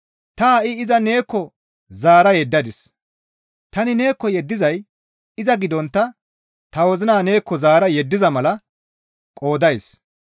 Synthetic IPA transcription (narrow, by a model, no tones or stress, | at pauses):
t̪ɐaʔɪɪzɐne̞ːkːɔ | zaːɾɐjɛd̪ːɐd̪ɪs | t̪ɐnɪne̞ːkːɔjɛd̪ːɪzɐj | ɪzɐɡɪd̪ɔnt̪ːɐ | t̪ɐwɔzɪnaːne̞ːkːɔzaːɾɐjɛd̪ːɪzɐmɐlɐ | kʼo̞ːd̪ɐjs